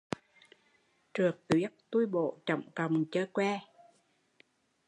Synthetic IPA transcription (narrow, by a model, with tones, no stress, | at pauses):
t͡ɕɨ˨˩ək̚t̪wi˦˥ət̚t̪u˧jɓo̰˧˨t͡ɕə̰˧˨wŋ͡mkə˨˩wŋ͡mt͡ɕəː˧kwɛ˧